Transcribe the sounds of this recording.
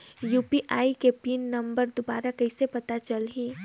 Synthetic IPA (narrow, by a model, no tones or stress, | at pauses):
juːpiʔaːikepiːnːɐ̃mbəɾd̪obaːɾakɐɪsepɐt̪at͡ʃəlɦĩː